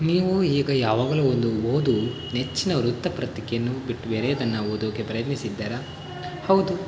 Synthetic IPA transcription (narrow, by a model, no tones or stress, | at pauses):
niːʋuiːɡɐjaːʋaːɡɐluːond̪uoːd̪u | net͡ʃːinɐɾut̪ːɐpɾɐt̪ikejɐnːubiʈːube̞ːɾɛjɐd̪ɐnːɐoːd̪uːɡepɾɐjɐt̪nisid̪ːaːɾɐ | hɐwd̪u